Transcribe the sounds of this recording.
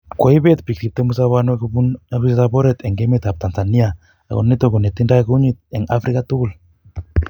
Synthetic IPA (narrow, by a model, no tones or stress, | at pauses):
koiβet̪pik̚tip̚t̪emus̬aβanwɛkubunakistabɔɾɛt̪ɛŋɡemet̪ap̚t̪ansania | a̰ko̰nnit̪okonet̪ːindakuɲit̪̚ɛŋa̰fɾikat̪ʊkʊl